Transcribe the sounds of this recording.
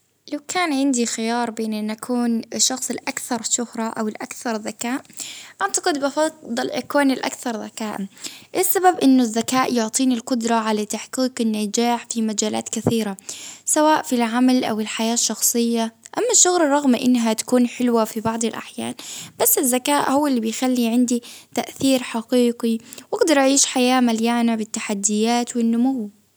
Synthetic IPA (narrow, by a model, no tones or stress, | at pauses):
lawkʰaːnʕɪnd̪ixɪjɑːɾˤbeːnʔɪnːʔakʰuːnʃːɑxsˤɪlʔakθɑɾˤʃʊhɾˤɑʔawɪlʔakθɑɾˤðːakaːʔʔant̪aqɨd̪bɪfɑd̪ˤːɑlʔakoːnɪlʔa̰kθɑɾˤðakaːʔʔɪsːababʔɪnːʊzːakaːʔjʊʕt̪ˤiːnilqʊd̪ɾˤɑʕalat̪aħqiːqɪnːad͡ʒaːħfimad͡ʒaːla̰ːt̪kɪθiːɾasawaːʔfilʕamalʔa̰wɪlħajaːʃːɑxsˤɨjːaʔamːaʃːʊɣlɑrˤɑɣmʔɪnːɦat̪ḁkuːnħɪlwafibɑʕd̪ˤɪlʔa̰ħja̰ːnb̥asːɪzːakaːʔhʊwːalːibɪjxalːiʕɪnd̪it̪aʔθiːɾħaqiːqiwʔaɡd̪ɑɾˤʔaʕiːʃħajaːmaljaːnabɪt̪ːaħad̪ːɪjaːt̪wɪnːʊmuw